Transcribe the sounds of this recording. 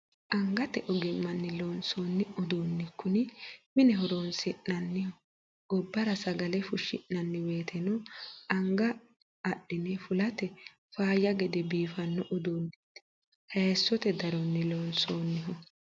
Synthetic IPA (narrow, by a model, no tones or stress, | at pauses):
ʔɐŋɡɐt̪ɛʔɔɡɪmːɐnːɪloːnsoːnːɪʊd̪oːnːɪkːʊnɪmɪnɛɦɔɾonsɪnːɐnːɪhɔ | ʊbːɐɾɐsɐɡɐlɛfʊʃːɪ̰ʔːɐnːɪweːt̪ʰɛnɔɐŋɡɐː | ɗːɪnɛfʊlɐt̪ɛ | faːjːɐɡɛd̪ɛbiːfɐnːɔʔʊd̪oːnːɪt̪ː | hɐjɛsːɔt̪ɛd̪ɐɾɔnːɪloːnsoːnːɪɦɔ